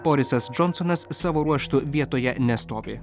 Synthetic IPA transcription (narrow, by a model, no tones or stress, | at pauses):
b̥ɔɾʲɪsɐsd͡ʒɔnsɔnɐsːɑːʋoːɾuɔʃt̪ʊʋʲiɛt̪oːjɛnʲɛst̪oːʋʲɪ